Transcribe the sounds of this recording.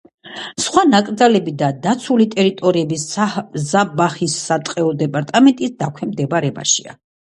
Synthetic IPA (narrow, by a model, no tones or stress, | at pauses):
sχwanakʼɾd̪zalɛbid̪ad̪at̪sʰulit̪ʼɛɾit̪ʼɔɾiɛbiszabaχisːat̪ʼqʼɛɔd̪ɛpʼaɾt̪ʼamɛnt̪ʼisd̪akʷʰɛmd̪ɛbaɾɛba̰ʃḭa̰